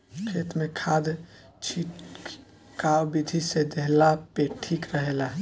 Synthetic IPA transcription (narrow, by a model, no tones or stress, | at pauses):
kʰet̪mekʰad̪ | t͡ʃʰiʈ | kawbid̪ʱised̪eɦlapeʈʰikɾəɦela